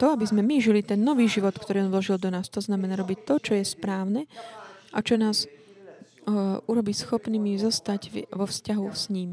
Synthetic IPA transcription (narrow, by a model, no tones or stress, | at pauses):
t̪ɔabizmɛmiʒilit̪ɛnːɔʋiːʒiʋɔt̪kt̪ɔɾiːɔnʋlɔʒild̪ɔnaːst̪ɔznamɛnaːɾɔbict̪ɔt͡ʃɔjɛspɾaːʊnɛʔat͡ʃɔnaːz | uɾɔbiːsxɔpniːmizɔst̪aɟʋɔfscaɦusɲiːm